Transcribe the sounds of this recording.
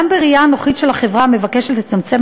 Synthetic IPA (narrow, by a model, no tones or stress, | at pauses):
ambeʁijaano̞χitʃe̞lhaχevʁame̞vakeʃetlet͡samt͡se̞m